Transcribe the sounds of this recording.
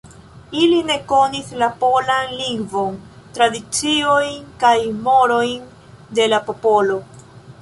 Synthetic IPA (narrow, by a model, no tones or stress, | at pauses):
iline̞ko̞nislapo̞lanliŋɡvo̞ntɾadit͡sio̞jnkajmo̞ɾo̞jn | de̞lapo̞po̞lo̞